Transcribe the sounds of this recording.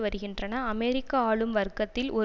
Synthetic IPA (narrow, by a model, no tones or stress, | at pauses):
ʋɐɾɯɣɪndrɐnɐːmɛɾɪkːɐaːɭɯmʋɐɾkːɐt̪ːɪlʔɔ